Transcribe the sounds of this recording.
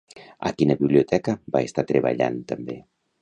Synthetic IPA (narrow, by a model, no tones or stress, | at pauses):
a̰kinəβiβliut̪ɛkəbaest̪at̪ɾeβ̞a̰ʎa̰nt̪əmbe